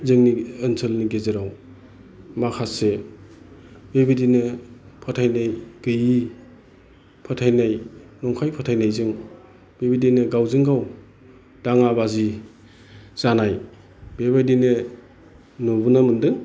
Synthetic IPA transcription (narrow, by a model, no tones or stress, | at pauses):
zɯŋniɯnsʰɯlniɡezeɾaw | makʰase | bebidinɯpʰɔtʰajnajɡ̥ɯji | pʰɔtʰajnajnɔŋkʰajpʰɔtʰajnajzɯŋ | bebidinɯɡawzɯŋɡaw | d̥aŋabazi | zanaj | b̥ebajdinɯ | nubunamɯndɯŋ